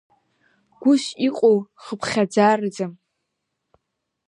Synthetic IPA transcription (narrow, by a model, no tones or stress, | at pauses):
ɡ̥ʷʊʃiqʼowχəpʰχʲad͡zaːrɨd͡zam